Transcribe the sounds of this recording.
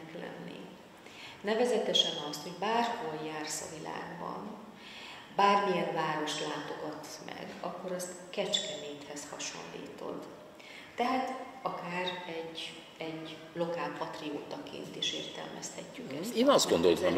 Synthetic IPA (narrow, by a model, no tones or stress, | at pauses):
klɛ̰nːḭ | nɛvɛzɛt̪ɛʃɛnɒst̪ho̞ɟbaːrholjaːrsɒ̰vila̰ːɡbɒ̰n | baːrmijɛɱvaːɾo̞ʃt̪laːt̪o̞ɡɒt̪mɛ̰ɡɒkːo̞ɾɒst̪ | kɛt͡ʃkɛmeːt̪hɛshɒʃo̞̰nlḭːt̪o̞̰d̪ː | ɛɦaːt̪ | ɒkaːrɛɟ | ɛɟ | lo̞kaːlpɒt̪rioːt̪ɒkʰḛːnt̪eːʃḛːrt̪ɛ̰lmʔɛ̰st̪ɛcːykɛsiːnɒzd̪ɡo̞nd̪o̞lt̪m